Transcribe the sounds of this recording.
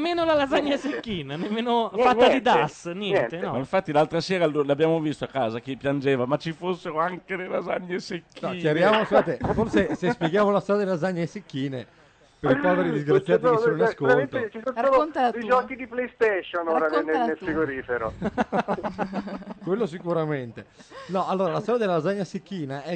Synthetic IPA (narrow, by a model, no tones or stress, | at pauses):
mːeːnolalazaɲːasekːiːnanemːeːnofatɲːad̪id̪asnjɛɲnɛnt̪enɔmaiɱfat̪ːilalt̪ɾasɛːɾalulabːjaːmovist̪oakːaːzak̟epːjand͡ʒɛːvamat͡ʃːifosːeɾoaŋkelelaza̰ɲːesekʰːiːt͡ʃaɾivjaːmoskuaːt̪eforsesespjeɡjaːmolast̪ɔɾdjd̪ilazaɲːaesekːiːne | peɾipaveɾid̪izɡɾat̪ːjaːt̪isoninaskoɾlet̪oet͡ʃisonooont̪aad̪eid͡ʒɔkid̪iplejst̪eʃonoːɾanenenelfiɡoɾiːfeɾo | kwelːosikuɾament̪enɔalːoːɾalast̪ɔɾjad̪elaɾazaɲːasekːiːnaʔɛ